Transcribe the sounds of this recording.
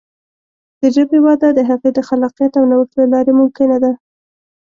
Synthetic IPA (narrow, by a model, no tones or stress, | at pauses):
d̪̥əʒabewɑd̪ad̪əɦaɣejd̪əxalɑqijat̪awnawəxt̪lalɑɾemʊmkɪnad̪a